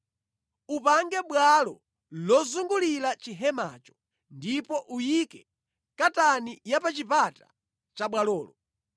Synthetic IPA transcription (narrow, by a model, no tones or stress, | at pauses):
upaŋɡɛɓwalɔ | lɔzuŋɡulilat͡ʃiɦɛma̰ːt͡ʃɔ̥ | ndipɔʔujikɛ | katanijapat͡ʃipata̰ | t͡ʃaɓwalɔːlɔ